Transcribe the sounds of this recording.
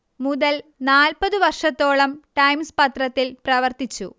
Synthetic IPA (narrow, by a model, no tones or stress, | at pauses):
muðɐlnaːlpɐðɨʋɐrʂɐt̪ːoːɭɐmʈɐjmspɐt̪rɐt̪ːilprɐʋɐrt̪it͡ɕːṵ